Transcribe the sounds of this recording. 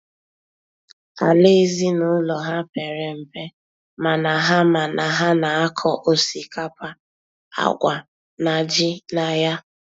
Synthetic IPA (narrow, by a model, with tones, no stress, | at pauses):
a˨le˦i˦zi˦nʊ˨˦lɔ˨ɦa˦pe˨ɾe˨m̩˨pe˦ | ma˨na˨ɦa˦ma˨na˨ɦa˦na˨a˦kʰɔ˦ʔo˦si˨ka˦pa˦ | a̰˨ɡʷa˨ | na˨d͡ʒɪ˦na˨ja˦